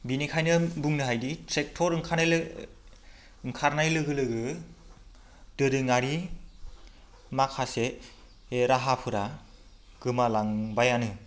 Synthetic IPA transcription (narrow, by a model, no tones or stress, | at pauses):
binikʰajnɯbuŋnɯɦajdiɾek̚tʰɔɾɯŋkʰan | ŋkʰaɾnajlɯɡɯlɯɡɯ | d̥ɯɾɯŋaɾi | makʰase | eɾaɦapʰɯɾa | ɡ̥ɯmalaŋbajanɯ